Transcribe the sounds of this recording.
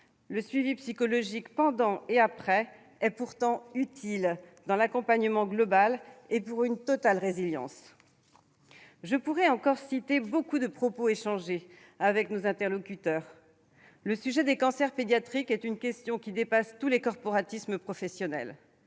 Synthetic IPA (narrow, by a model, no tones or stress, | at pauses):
ləsɥivipsikɔlɔʒikpɑ̃d̪ɑ̃eapχɛ | ɛpuʁt̪ɑ̃yt̪ʰild̪ɑ̃lakɔ̃paɲəmɑ̃ɡlɔbalepuʁynt̪ɔt̪alʁeziljɑ̰̃s | ʒəpuʁɛɑ̃kɔʁsit̪ebokud̪əpχɔpoeʃɑ̃ʒe | avɛknozɛ̃t̪ɛʁlɔkʲyt̪œːʁ | ləsyʒɛd̪ekɑ̃sɛʁped̪jat̪χikɛt̪ynkʲɛst̪jɔ̃kʲid̪epast̪ulekɔʁpɔʁat̪isməpχɔfɛsjɔnɛ̰l